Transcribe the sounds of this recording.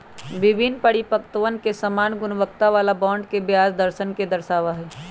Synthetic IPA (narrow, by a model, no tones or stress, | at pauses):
ʋɪbʱɪnpəɽipəkt̪əʋənkesəmaːnɡʊnʋəkt̪aʋaːlabãːɳɖkebjaːd͡ʒd̪əɾʃənked̪əɾʃaːʋaɦɛː